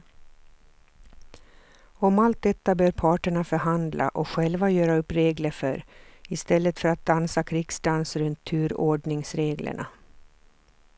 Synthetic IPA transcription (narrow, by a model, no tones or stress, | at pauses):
ɔmalt̪̚d̪ɛt̪ːabœːɾpʰɑːʈəɳafœɾɦand̪lʔa̰ʔɔɧɛlvajœːɾaɵpːɾeːɡləɾfœ̰ɾɪst̪ɛlːət̪fœɾat̪̚d̪ansakʰɾɪɡ̥sd̪ansɾɵnt̪ʰːʉ̟ːɾoːɖɳɪŋsɾeːɡlə̰ɳa̰